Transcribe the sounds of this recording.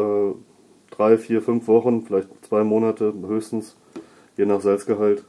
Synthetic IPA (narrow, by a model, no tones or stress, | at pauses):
ɛː | d̥ʁaɪfiːɐfʏnfv̥ɔχn̩fɪlaɪçtt͡sv̥aɪmoːnatʰəhøːçstn̩s | jeːnaːχz̥ɛlpst̚ɡ̥əɦalt